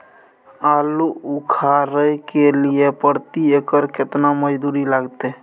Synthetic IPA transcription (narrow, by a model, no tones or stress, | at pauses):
aluukʰaɾəjkelijepəɾt̪iekəɾket̪naməd͡ʒd̪uɾilaɡt̪e